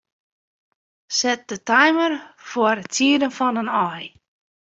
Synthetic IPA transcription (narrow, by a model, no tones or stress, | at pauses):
sɛt̚dətajmərfɔɾətiədənfɔnənɔj